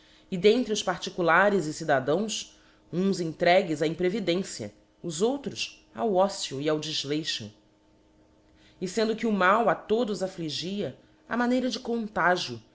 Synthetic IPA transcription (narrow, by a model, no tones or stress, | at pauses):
ɪd̪ẽnt̪ɾɪʊspaɾt͡ʃikulaɾɪzɪsid̪ad̪ɐ̃w̃s | ũzẽŋt̪ɾɛɡɪzaĩpɾevid̪ẽsjɐ̰ | ʊzowt̪ɾʊs | a̰wɔsiuiawd͡ʒiʒlejʃʊ̰ | ɪsẽnd̪ʊkɪumawat̪od̪ʊzafliʒiɐ | a̰manejɾɐd͡ʒɪkõnt̪aʒiʊ